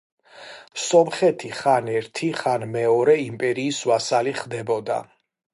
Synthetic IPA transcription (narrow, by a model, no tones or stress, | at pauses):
sɔmχɛt̪ʰiχanɛɾt̪ʰiχanmɛɔɾɛimpʼɛɾiːsvasaliχd̪ɛbɔd̪a̰